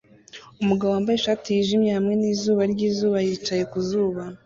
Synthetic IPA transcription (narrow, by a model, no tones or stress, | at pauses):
umuɡaβowaːmbajeʃaːtijiʒimjehamŋe̞niːzuːβaɾɟiːzuːβajiːt͡ʃaje̞kuzuːβa